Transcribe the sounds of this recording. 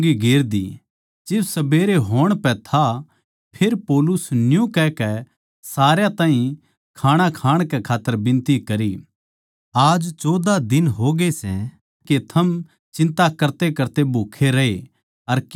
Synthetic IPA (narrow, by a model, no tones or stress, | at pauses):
ɡiɡeːɾd̪ḭ | d͡ʒɪbsɐbeːɾeɦoːɽ̃pɛ̃t̪ʰa | pʰeːɾpoːlʊsnjũkɛkɛ | saːɾjãt̪aːɦĩ | kʰaːɽ̃akʰaːɽ̃kɛkʰaːt̪ːəɾbɪ̃nt̪ikɐɾi | aːd͡ʒt͡ʃɔːd̪ad̪ɪnɦoɡesɛ | ket̪ʰɐm | t͡ʃɪ̃nt̪akɐɾt̪ekɐɾt̪ebʱuːkʰeɾɐe | ɐɾ